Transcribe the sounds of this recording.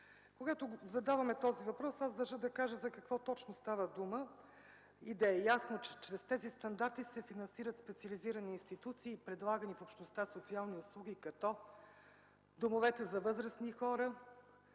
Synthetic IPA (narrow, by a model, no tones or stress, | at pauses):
koɡat̪ozɐd̪avɐmɛt̪ɔzivɐpɾɔsazd̪ɐʒəd̪ɐkaʒəzɐkɐkvɔt̪ɔt͡ʃnost̪avəd̪umə | id̪ɐɛjasnot͡ʃɛt͡ʃɾɛst̪ɛzist̪ɐnd̪aɾt̪isɛfinɐnsiɾət̪spɛt̪siɐliziɾəniːnst̪it̪ut̪siːpɾɛd̪lˠaɡənifopʃt̪nost̪asot̪sialˠniʊslˠuɡikɐt̪ɔ | d̪omovɛt̪ɛzɐvɤzɾəsnixɔɾə